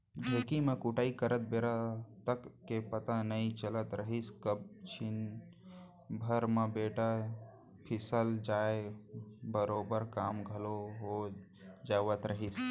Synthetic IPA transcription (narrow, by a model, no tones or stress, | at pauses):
d͡ʒʱekimẽkuʈaːikəɾət̪̚beːɾat̪əkːepət̪anəit͡ʃələt̪ɾəɦiskəb̚t͡ʃʰin | bʱəɾmə̃beːʈa | pʰɪsəld͡ʒaːe | bəɾoːbəɾkaːmɡʱəloɦo | d͡ʒaːʋət̪ɾəɦis